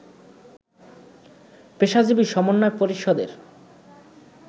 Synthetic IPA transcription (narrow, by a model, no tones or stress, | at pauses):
peʃad͡ʑibiʃɔmonːɔepoɾiʃod̪ḛɾ